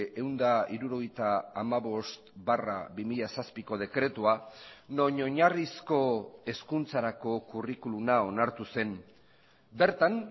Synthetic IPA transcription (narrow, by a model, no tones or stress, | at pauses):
e̞wnd̪aiɾuɾo̞ɣ̞ejt̪aːmaβo̞st̪bara̰βimiʎasaspiko̞ð̞e̞kɾe̞t̪uano̞ɲo̞ɲarisko̞e̞skunt͡saɾako̞kurikulunao̞naɾt̪use̞n | be̞ɾt̪an